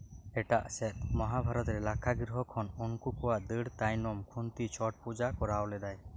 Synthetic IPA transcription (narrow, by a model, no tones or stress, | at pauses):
ɛʈaʔsɛt̪̚mɔɦabʱaɾɔt̪ɾɛlakʰaɡiɾɦɔkʰɔnunkukɔwaʔd̪əɽt̪ajnɔmkʰunt̪it͡ʃʰɔʈ̚pud͡ʒakɔɾawlɛd̪aj